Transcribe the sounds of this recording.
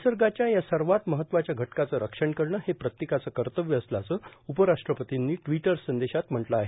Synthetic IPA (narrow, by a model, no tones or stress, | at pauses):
səɾɡat͡ɕjajasəɾʋat̪məɦət̪ːʋat͡ɕjaɡʱəʈkat͡səɾəkʂəɳkəɾɳəhepɾət̪jekat͡səːkəɾt̪əʋjəəslat͡səupəɾaʂʈɾəpət̪inːiːʈʋiʈəɾsənd̪eɕat̪m̤əɳʈləaɦe